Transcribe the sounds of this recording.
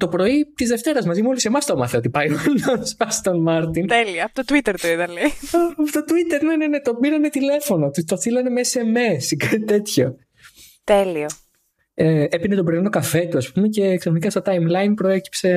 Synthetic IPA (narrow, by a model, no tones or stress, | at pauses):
t̪o̞pɾo̞it̪izðe̞ft̪e̞ɾɐzmɐzimeolisemɐst̪o̞mɐθeo̞t̪ipɐjononsɐst̪onmɐɾt̪int̪elioɐpot̪ot̪wit̪eɾt̪oiðɐlejɐpot̪ot̪uit̪e̞ɾnenene̞t̪o̞biɾɐne̞t̪ile̞fo̞no̞t̪ut̪o̞θilɐne̞meese̞mesikat̪it̪e̞t̪ço̞ | t̪elio | eepinet̪obɾoiinokɐfe̞t̪uɐspumece̞ːksɐxonikɐst̪ɐt̪ɐjmlɐjnpɾo̞e̞ci̥pse̞